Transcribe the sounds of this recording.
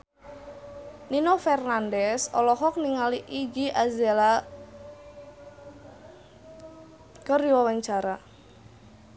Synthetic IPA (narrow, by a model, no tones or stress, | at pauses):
ninofɛrnandɛsɔ̰lɔɦɔk̚niŋaliʔiɡiʔazɛla | kəriwawaɲt͡ʃaɾa